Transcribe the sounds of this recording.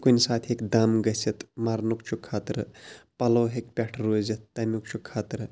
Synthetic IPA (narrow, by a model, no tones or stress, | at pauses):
kunʲsaːt̪ʰekd̪amɡɐsɐt̪maɾnukt͡ʃʰukʰːaːt̪ɾpɐloːɦekpʲɛʈʰɾoːzɐt̪ːɐmʲuk̚t͡ʃʰukʰːaːt̪ɾ